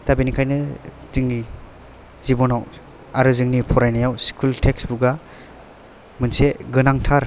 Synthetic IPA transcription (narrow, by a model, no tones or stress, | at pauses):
tabinikʰajnɯ | z̥ɯŋni | z̥ibɔnaw | aɾɯzɯŋnipʰɔɾajnajawskʰultʰeksbuɡa | mɯnseɡɯnaŋtʰaɾ